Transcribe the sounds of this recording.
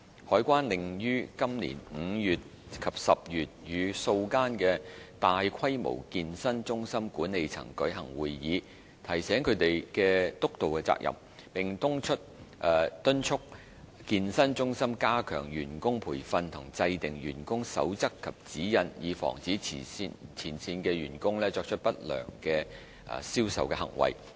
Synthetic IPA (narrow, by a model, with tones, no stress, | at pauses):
hɔː˨˥jkʷaː˥nlɪ˨ŋjyː˥kɐ˥mlḭː˨˩nŋ̩ː˨˧jyː˨t̚ | kʰɐ˨˩p̚sɐ˨p̚jyː˨t̚jyː˨˧so˧wkaː˥nkɛː˧t̪aː˨jkʰɐ˥jmo̰˨˩wkiː˧nsɐ˥nt͡sʊ˥ŋsɐ˥mkuː˨˥nːe˨˧jt͡sʰɐ̰˨˩ŋkɵ˨˥ɥɦɐ˨˩ŋwuː˨jːiː˨˧ | t̪ʰɐ˨˩jsɛː˨˥ŋkʰɵ˨˧˥ɥt̪e˨jkɛː˧t̪ʊ˥k̚t̪o˨wkɛː˧t͡sa̰ː˧k̚jʔɐ̰˨m | pɪ˨ŋt̪ʊ˥ŋt͡ʃʰɵ˥t̚ʔt̪ɵ˥nt͡ʃʰʊ˥k̚ | kiː˧nsɐ˥nt͡sʊ˥ŋsɐ˥mkaː˥kʰœ̰ː˨˩ŋjyː˨˩nkʊ˥ŋpʰuː˨˩jfɐ˧nt̪ʰʊ˨˩ŋt͡sɐ˧jt̪ɪ˨ŋjyː˨˩nkʊ˥ŋsɐ̰˨˥wt͡sɐ˥kʰːɐ˨p̚t͡siː˨˥jɐ˧njiː˨˧fɔ̰ː˨˩ŋt͡siː˨˥i˨˧t͡sʰiː˨˩nsiː˧nkɛː˧ɥyː˨˩nkʊ˥ŋlɛː˥t͡sɔː˧k̚t͡ʃʰɵ˥t̚pɐ˥t̚lœ̰ː˨˩ŋkɛ̰ː˧˨ | siː˥wsɐ̰˨wkɛ˧hɐ̰˨˩ŋwɐ̰˨˩j